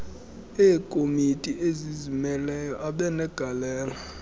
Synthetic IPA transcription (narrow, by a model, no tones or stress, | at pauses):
eːkʼomitʼiʔezizimɛlɛjɔʔaɓɛnɛɡ̥ʱalɛːla